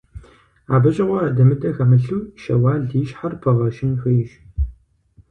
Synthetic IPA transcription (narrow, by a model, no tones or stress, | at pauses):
aːbɐɕʼɪʁʷɔadɐmɨdʼɐxɐmɨɬuːʃɐ̰waːɮiːʃħarpʰɐʁɐʃɪnxɐjɪʃ